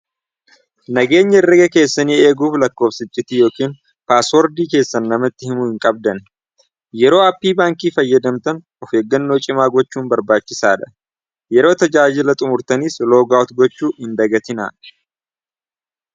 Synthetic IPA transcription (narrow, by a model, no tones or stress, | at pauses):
nɐɡe̞ːɲːɐɪrːɐɡɐke̞ːsːɐniːe̞ːɡuːflɐkːo̞ːfsɪt͡ʃʼːɪt̪ijo̞ːkiːn | paːswɔɾd̪iːke̞ːsːɐnːɐmɐt̪ːɪhɪmʊhɪŋkʼɐb̚d̪ɐn | jɛɾo̞ːɐpːiːbaːŋkiːfɐjːɐd̪ɐmt̪ɐn | ɔfeːɡːɐnːo̞ːt͡ʃʼɪmaːɡɔt͡ʃːuːnbɐɾbaːt͡ʃːɪsaːᶑ̪ɐ̥ | jɛɾo̞ːt̪ɐd͡ʒaːd͡ʒɪlɐt̪ʼʊmʊɾt̪ɐnislo̞ːɡaːɔt̪ɡɔt͡ʃːuːhɪnd̪ɐɡɐt̪ɪna̰ːʔ